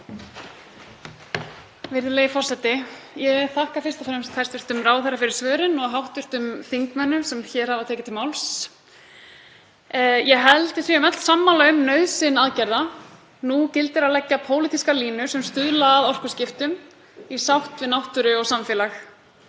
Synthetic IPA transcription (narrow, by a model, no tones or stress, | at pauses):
vɪɾðɪleːjɪfɔrsɛt̪ɪjɛθahkafɪrst̪ɔfɾɛmst̪ʰajst̪vɪɾ̥t̪ʏmraːwθɛrːafɪɾɪɾ̥svœːɾɪnɔɣɦawht̪ʏɾ̥t̪ʏmθiŋkmɛnːʏmsɛmçɛːɾ̥havat̪ʰɛːcɪt̪ʰɪlmawls | jɛɦɛlt̪ɪθiɛʏmɛt̪l̥samːalœːɣʏmnœɥsɪnaðcaɾða | nucɪlt̪ɪɾaðlɛcːapʰoːwlit̪iskaliːnʏsɛmst̪ʏðlaːðɔr̥kʏ̥scɪft̪ʏm | isawht̪vɪnawht̪ʏɾʏɔɣsamfɛːlax